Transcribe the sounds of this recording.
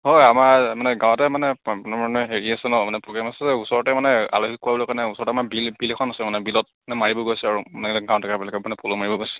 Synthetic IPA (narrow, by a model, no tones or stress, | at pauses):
hojamaɹmanɛɡãw̃ɔtɛmanɛapunabaɹnɔɦeɹiasɛnɔmanɛpɔɡɛmasɛzɛusɔɹɔtɛmanɛa̰loɦikuabɔlɔkaɹnɛusɔɹɔtamabilbilɛkʰɔnasɛmanɛbilɔt̚anɛmaɹibɔɡojsɛaɹunɛɡãw̃tʰakabɛlɛkɛmanɛpʰolomaɹibɔɡojsɛ̥